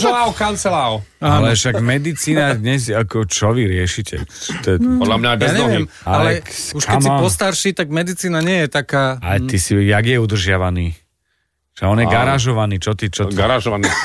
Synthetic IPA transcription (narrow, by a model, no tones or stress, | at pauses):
ɛlaʊkant͡sɛlaʊalɛʃaɡmɛd̪it͡siːnad̪ɲɛsakɔt͡ʃɔʋiɾɪɛʃicɛ̰t͡ʃt̪ɔɛpɔlamɲabjɛaɲɛɔɛiɛmaallɛuʃkakɛmiiɔst̪aɾʃit̪aɡmɛd̪it͡siːnaɲɪɛjɛt̪akaːajt̪isijaɡjɛud̪r̩ʒɪaʋaniː | ʒ̥ɛɔnjɛɡaɾaʒɔʋaniːt͡ʃɔt̪it͡ʃɔɡaɾaʒɔʋani